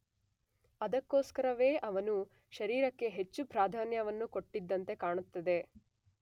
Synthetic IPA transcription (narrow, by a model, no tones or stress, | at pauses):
ɐd̪ɐkːo̞ːskɐɾɐʋe̞ːʔɐʋɐnu | ʃɐɾiːɾɐkːe̞ɦe̞t͡ʃːupɾaːd̪ʱaːnjɐʋɐnːuko̞ʈːid̪ːɐnt̪e̞kaːɳut̪ːɐd̪e̞